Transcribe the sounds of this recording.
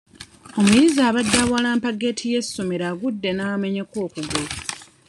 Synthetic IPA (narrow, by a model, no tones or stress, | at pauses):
o̞mujizaːβadːaβwalaːmpaɡe̞tʰije̞sːumeɾaɡudːe̞name̞ɲe̞ko̞ːkuɡo